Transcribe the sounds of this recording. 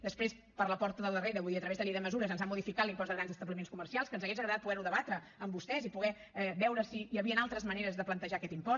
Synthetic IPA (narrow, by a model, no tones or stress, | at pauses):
d̪əspɾes | pəɾləpɔɾt̪əðəlˠd̪əreɾəβuiðiət̪ɾəβezðəliðəməzuɾəzənzamuðifikat̪limpɔzðəɣɾanzəst̪əβlimenskumərsialˠskənzəɣezəɣɾəðat̪̚puɣɛɾuðəβat̪ɾə | əmbust̪ɛzipuɣɛ | ɛβɛwɾəsijəβiənalˠt̪ɾəzməneɾəzðəplənt̪əʒakɛt̪impɔ